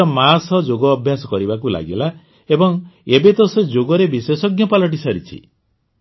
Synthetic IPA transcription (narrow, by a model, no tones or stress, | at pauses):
ɔmasɔd͡ʒoɡɔːbʱjasɔkɔɾibakula̰ɡela | ebɔŋebet̪ɔsɔd͡ʒoɡɔɾebiswesɔɡjɔpalɔʈ̬isaɾit͡ʃʰḭ